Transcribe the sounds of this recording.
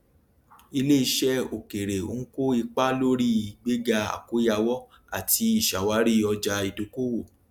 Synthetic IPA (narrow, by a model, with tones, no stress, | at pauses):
i˧le˦i˧ʃɛ˦o˨ke˨ɾe˨o̰˨˦ŋ̩˦ko˦i˧k͡pa˦lo˦ɾi˦i˨ɡ͡be˦ɡa˧a̰˨ko˨˦ja˧wɔ˦ | a˨ti˧i˦˨ʃa˨wa˨˦ɾi˦ɔ˧d͡ʒa˧i˧do˧ko˦wo˦˨